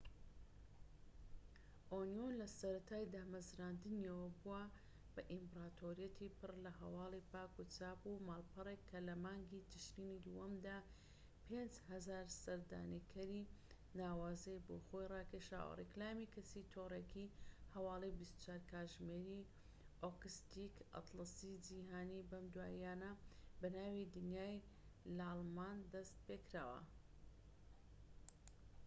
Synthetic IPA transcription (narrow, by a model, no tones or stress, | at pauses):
ʔonjonlɐsɐɾɐt̪ʰaːjd̪aːmɐzɾaːnd̪ɨniɐwɐbuwɐ | b̥ɐʔimbɾaːt̪ʰoːɾijɐt̪ʰipɨrlɐhɐ̰waːlˠipaːkut͡sʰaːpumaːlˠpɨrekʰːɐlɐmaːŋɡid̪ɨʃɾiːnid̪uɐmd̪aː | pʰeːnd͡ʒhɐzaːɾsɐɾd̪a̰ːnikʰɐɾiː | naːwaːzejboːxojrɑːkʰeʃa̰ːwɐ̰rɛklaːmiːkʰɐsit̪ʰoːrekʰihɐwaːlˠebist̪u̥t͡ʃʰaːɾkʰaːʒmeːɾi | ʔokɨst̪ika̰t̪lˠɐsid͡ʒiɦaːnibɐmd̪waːaːnɐbɐnaːwid̪ɨnjaːj | lɐɑlˠmaːnd̪ɐst̪̚pekɾaːwɐ̰